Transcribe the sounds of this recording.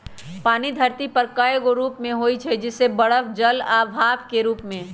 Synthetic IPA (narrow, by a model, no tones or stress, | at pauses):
paːnid̪ʱɐɾt̪ipɐɾkajɡoɾuːpmẽɦoːit͡ʃʰɛd͡ʒɪsːebɐɽəʋd͡ʒɐlaːbʱaːbkeɾuːpmẽː